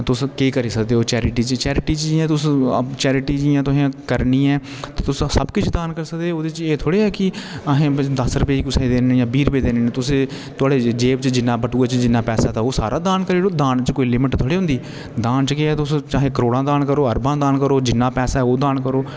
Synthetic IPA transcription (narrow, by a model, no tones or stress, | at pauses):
t̪ʊskeːkəɾiːsəkd̪eːoːt͡ʃɛːɾɪʈiːt͡ʃt͡ʃɛːɾɪʈiːt͡ʃd͡ʒiãːt̪ʊst͡ʃɛːɾɪʈiːd͡ʒiːãːt̪ʊsãːkəɾniːɛː | t̪eːt̪ʊssəbkɪt͡ʃʰd̪aːnkəɾsəkd̪eoːd̪eːt͡ʃeːt̪ʰoːɽeːɛːkɪəɦẽːd̪əsɾəpeiːkʊsẽːd̪eːnːjãːbiːɾpeːd̪eːnːẽːt̪ʊsẽː | t̪ʊaːɽeːd͡ʒeːbt͡ʃd͡ʒɪnːãːbəʈuːaːt͡ʃd͡ʒɪnːaːpɛːsaːt̪ãːoːsa̰ːɾʔaːd̪aːnkəɾeːɾoːd̪aːnt͡ʃkoːiːlɪmɪʈt̪ʰoːɽeːɦʊ̃nd̪iː | d̪aːnt͡ʃkeːɛːt̪ʊst͡ʃaːɦeːkəɾoːɽãːd̪aːnkəɾoːəɾbãːd̪aːnkəɾoːd͡ʒɪnːaːpɛːsaːɛoːd̪aːnkəɾoː